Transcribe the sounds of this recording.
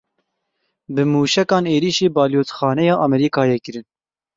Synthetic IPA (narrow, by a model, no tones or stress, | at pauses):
bɨmuːʃɛkɑːneːɾiːʃeːbɑːljoːt̪xɑːnɛjɑːʔɑmɛɾiːkɑːjɛkɨɾɨn